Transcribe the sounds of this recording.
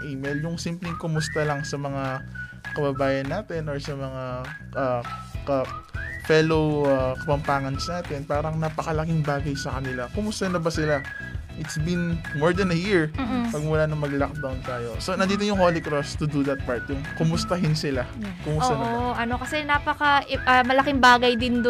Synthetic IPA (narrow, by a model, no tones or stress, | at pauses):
ʔijmɛljʊŋsimplɪŋkʊmʊst̪ɐlɐŋsɐmɐŋa | kɐbɐbaːjɐnːaːt̪ɛnoɹsɐmɐŋa | ʔɐkɐfɛlowakɐpɐmpaːŋɐnsnaːt̪ɛnpaːɾɐŋnapɐkɐlɐkɪŋbaːɡɐjsɐkɐnɪlakʊmʊst̪ɐnɐbɐsɪla | ʔɪt̪sbinmoɹd̪ɐnɐjiɹmːpɐɡ̚mulanɐŋmɐɡlak̚d̪awnt̪aːjo̞so̞nɐnd̪iːt̪ojʊŋholɪkɾost̪ʊd̪ud̪ɐt̪̚paɹt̪̚jʊŋkʊmʊst̪ɐɦɪnsɪla | kʊmʊt̪ːɐʔbʔɐno̞kɐsɛnapɐkɐʔɐmɐlɐkɪŋbaːɡɐjd̪ɪnd̪